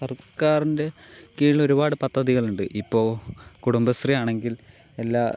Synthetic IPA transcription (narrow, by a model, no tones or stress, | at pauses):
sɐrkaːrinde̞ | kiːɭɭo̞ɾubaːɽɨpɐd̪ʱːɐðiɣɐɭuɳɖɨʔipːo̞ːkuɽumbɐst̪rijaːɳe̞ŋɡile̞lːaː